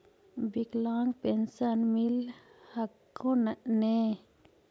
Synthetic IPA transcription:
biklaŋpɛnsanmilhakː | onaʔne

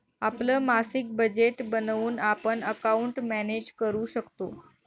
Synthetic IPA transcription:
apləːmasik̚bəd͡ʑeʈbənʋuːnapəɳəkauɳʈmæned͡ʑkəɾuːɕəkt̪o

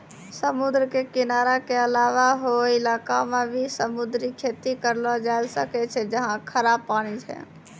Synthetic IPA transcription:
səmud̪ɾəkekinaɾakeəlaʋaɦoilakamebʱisəmud̪ɾikʰet̪ikəɾlɔd͡ʒajlsəkɛt͡ʃʰɛd͡ʒəɦãkʰəɾabpañit͡ʃʰɛ̰

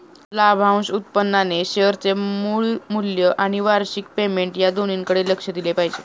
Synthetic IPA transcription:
labʱãw̃sut̪̚pənːaneɕeəɾt͡semuɭmuljəʔaɽ̃iʋaɾɕik̚pemeɳʈjad̪oniŋkəɽeləkʂəd̪ilepaɦid͡ʑe

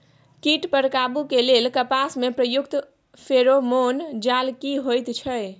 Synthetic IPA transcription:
kiʈpəɾkabukelelkəpasmepɾəjukt̪ | pʰeɾomond͡ʒalkiɦojt̪t͡ʃʰəj

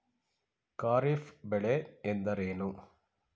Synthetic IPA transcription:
kaːɾifbɛɭeend̪ɐɾeːnu

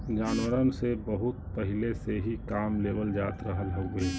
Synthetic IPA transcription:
d͡ʒaːnwəɾənsebəɦut̪̚pəɦileseɦikaːmleːbəld͡ʒaːt̪ɾəɦəlɦoɡe

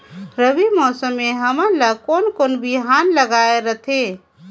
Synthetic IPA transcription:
ɾəbimɔsəmːeɦəmənləkonkonbiɦanləɡaeɾət̪ʰe

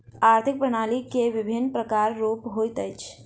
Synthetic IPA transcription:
aɾt̪ʰik̚pɾəñalikeʋibʱinːpɾəkaɾːopɦojt̪əjt͡ʃʰ

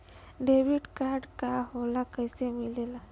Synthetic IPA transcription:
ɖewiɖkaɾɖkaɦolakəjsemilela

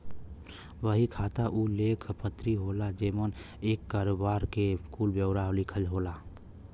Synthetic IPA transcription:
ʋəɦikʰaːt̪aʔuleːkʰpət̪ɾiɦoːlad͡ʒeːmən | eːkːaːɾobaːɾkeskʰuːlbjəʊɾaɦolikʰəlɦolaː

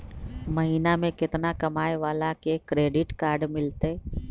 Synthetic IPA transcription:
məɦiːnamẽkɪt̪nakɐmaːeʋaːlakekɾeːɖɪʈkaːɾɖmɪlt̪e

